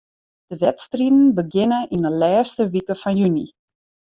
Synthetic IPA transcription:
d̥əʋɛtstridn̩bəɡɪnəʔinəlɛːstəʋikəfɔnjyni

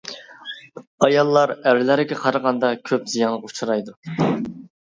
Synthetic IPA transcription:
ɑjɑlˠːɑɾæɾlæɾɪɡʲɛqʰɑɾɑʁɑnd̪ɑkʲʰøpz̥ijɑnlˠəʁut͡ʃʰuɾɑjd̪u

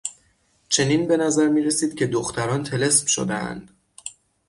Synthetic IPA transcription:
t͡ʃʰe̞niːnbe̞næzæɾmiːɾe̞siːd̪̥̚cʰe̞d̪oxt̪ʰæɾɒːnt̪ʰe̞le̞smʃo̰d̪eʔæ̰nd̪̥

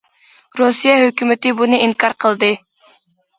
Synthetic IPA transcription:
ɾosijɛɦøkʲymɪt̪ɪbunɨiŋkʰɑɾqʰəlˠd̪ɨ

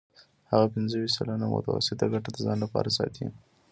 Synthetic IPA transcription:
haɣapɪnzəwit̪salanamʊ̰t̪awa̰sɪt̪aɡaʈad̪əzɑnlapɑ̰ɾasɑ̰t̪ʰḭ

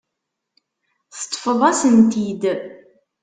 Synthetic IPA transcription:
θt̪ˤːfəðˤæsənt̪id̪

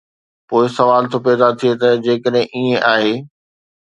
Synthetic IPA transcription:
poːɪsɐʋaːlt̪ʰopɛːd̪at̪ʰiet̪ɐd͡ʑeːkəɗɦɪ̃ʔiẽʔaːɦeː

